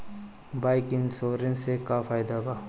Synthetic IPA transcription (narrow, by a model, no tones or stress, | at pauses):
baːɪkɪnsoːɾẽnsekaːfaːɪd̪abaː